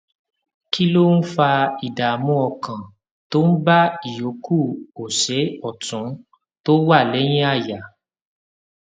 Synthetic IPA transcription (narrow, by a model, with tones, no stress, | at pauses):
ki˦lo˦n̩˦fa˧i˨da˨mũ˨˦ɔ˧kã˨ | to˦n̩˦ba˦i˨jo˨˦kʰu˦˨o˨ʃɛ˨˦ɔ˦˨tũ˨˦ | to˦wa˦˨lɛ˨˦j̃ĩ˦a˦˨ja˨